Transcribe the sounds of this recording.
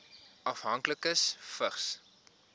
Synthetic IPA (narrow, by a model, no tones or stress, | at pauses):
ʔɐfɦɐŋkləkəsfəχs